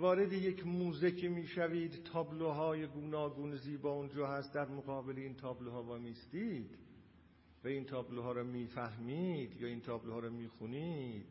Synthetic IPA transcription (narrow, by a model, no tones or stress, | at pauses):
vɒːɾed̪ejecʰmuːzecʰemiːʃæviːd̪t̪ʰɒːbloɦɒːjeɡuːnɒːɡuːnziːbɒːund͡ʒɒːɦæst̪̚d̪æɾmoɣɒːbeleint̪ʰɒːbloɦɒːvæːmist̪iːd̪̥ | væint̪ʰɒːbloɦɒːɾɔːmiːfæhmid̪̥jɒːint̪ʰɒːbloɒːɾɔːmiːxunid̪̥